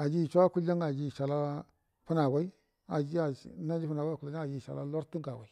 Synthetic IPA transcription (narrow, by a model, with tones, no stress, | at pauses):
a˨d͡ʒi˦˨t͡ʃʷa˦ku˦a˦ŋa˨d͡ʒi˨ʃa˨la˦ | pu˦na˨wa˦i˦ | a˨d͡ʒi˦a˨˦na˦d͡ʒi˦pu˦na˨wa˦˨ku˨la˦a˦a˨d͡ʒi˦˨ʃa̰˨la˦la˦ɾtu˦ɡa˨wa˨i˨